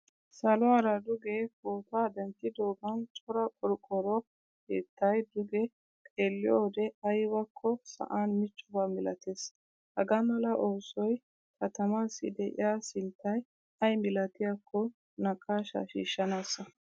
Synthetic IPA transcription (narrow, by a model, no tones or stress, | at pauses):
sɐlɔaːɾɐd̪ʊɡekoːt̪aːd̪ɛnt̪ːɪd̪oːɡɐnt͡ʃʼɔɾɐkʼɔɾkʼɔɾɔ | kḛːt̪ːɐjd̪ʊɡɛ | kʼeːlːɪjoːd̪ɛɐjbɐkʰːɔsɐ̰ʔaːnmɪt͡ʃʼːʊbamɪlɐt̪ʰeːs | hɐɡɐmɐlɐʔo̞ːsɔj | kʰɐt̪ɐmaːsːɪ̰d̪ɛʔɪ̰jaːsɪnt̪ːɐj | ɐjmɪlɐt̪ɪjakʰːɔ | nɐkʼːaːʃɐ̰ʃḭːʃːɐnaːsːɐ